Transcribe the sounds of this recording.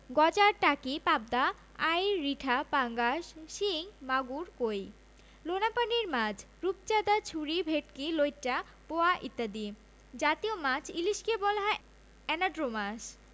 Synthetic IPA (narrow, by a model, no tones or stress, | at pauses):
ɡɔd͡ʑaɾʈakipab̚d̪a | ajɾiʈʰapaŋɡaʃʃiŋmaɡuɾkoj | lonapaniɾmãd͡ʑʰ | ɾup̚t͡ɕad̪at͡ɕʰuɾibʱeʈkilojʈa | poaʔit̪ːad̪i | d͡ʑat̪iomãt͡ɕʰiliʃkebɔlɦɔe | ɛnaɖɾomaʃ